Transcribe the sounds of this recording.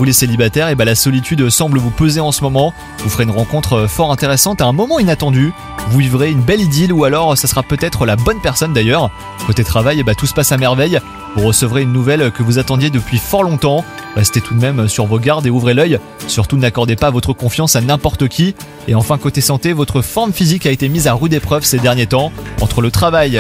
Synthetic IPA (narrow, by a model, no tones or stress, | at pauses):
vuleselibat̪ɛʁebalasɔlit̪yd̪sɑ̃bləvupøzeɑ̃səmɔmɑ̃ | vufəʁeynʁɑ̃kɔ̃t̪χəfɔʁɛ̃t̪eʁesɑ̃t̪aɛ̃mɔmɑ̃inat̪ɑ̃d̪y | vuivʁeynbɛlid̪ilualɔʁsasəʁapøt̪ɛt̪χəlabɔnpɛʁsɔnd̪ajœʁ | kot̪et̪χavajbat̪usə̥pasamɛʁvɛj | vuʁəsəvʁeynːuvɛlkəvuzat̪ɑ̃d̪jed̪əpɥifɔʁlɔ̃t̪ɑ̃ʁɛst̪et̪ʰud̪mɛmsyʁvoɡʲaʁd̪euvʁelœj | syʁt̪unakɔʁd̪epavɔt̪χəkɔ̃fjɑ̃sanɛ̃pɔʁt̪əkʲʰi | eɑ̃fɛ̃kot̪esɑ̃t̪evɔt̪χəfɔʁmfizikaet̪emizaʁyd̪epχœvsed̪ɛʁnjet̪ɑ̃ɑ̰̃t̪χələt̪χavaj